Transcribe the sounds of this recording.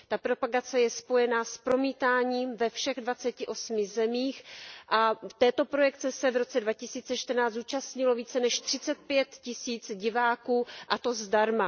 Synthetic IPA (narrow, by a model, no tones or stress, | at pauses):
t̪apɾo̞paɡat͡sɛjɛspo̞jɛnaspɾo̞miːt̪aːɲiːmvɛfʃɛɣdvat͡sɛcɪʔo̞smɪzɛmiːxʔaft̪ɛːt̪o̞pɾo̞jɛk̚t͡sɛsɛvɾo̞t͡sɛdvacɪsiːt͡sɛt͡ʃt̪rnaːzuːt͡ʃastɲɪlo̞viːt͡sɛnɛʃt̪r̝̥ɪt͡sɛt̪̚pjɛt̪cɪsiːt͡sɟɪvaːkuːʔat̪o̞zdaɾma